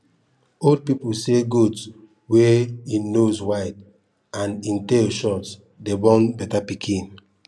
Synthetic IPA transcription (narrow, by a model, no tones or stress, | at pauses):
old̚pipulseɡuds | weĩnːoswaɪd | ãnĩnteʃɔts | debɔ̃nbɛtapikʰĩn